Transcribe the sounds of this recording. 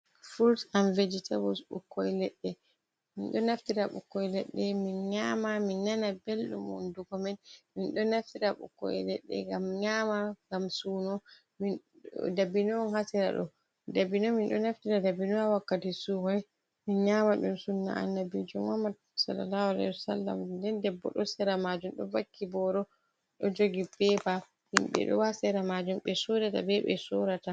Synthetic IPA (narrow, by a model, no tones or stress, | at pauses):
fuɾsamved͡ʒitʰabɔsɓṵkːɔjlɛɗːɛ | minɗɔnaftiɾaɓṵkːɔjlɛɗːɛminɲaːmaminːanabelɗṵmɔ̰ndukɔmɛnminɗɔnaftiɾaɓṵkːɔ̰jlɛɗːɛ̰ŋɡamɲaːmaŋɡamsuːnɔ | min | dabinɔnhasɛɾa̰ɗɔ̰ | dabinɔminɗɔnaftiɾadabinɔawakːatisuhɔj | minɲamaɗumsunːa̰ʔa̰nːabid͡ʒumamːad | salːa̰lahalɛ̰hwasalːa̰mdɛndɛbːɔ̰ɗɔsɛɾamad͡ʒumɗɔ̰bakʰːibɔɾɔ | ɗɔd͡ʒoɡibɛba | himɓɛ̰ɗɔ̰wasɛɾamad͡ʒumɓɛsoɾata̰bɛɓɛ̰soɾata